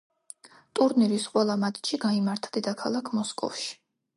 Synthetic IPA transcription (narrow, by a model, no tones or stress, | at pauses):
t̪ʼuɾniɾisqʼwɛlˠamat̪ʰʼt͡ʃʰiɡaimaɾt̪ʰad̪id̪akʰalˠakʰmɔskʼɔ̰fʃi̥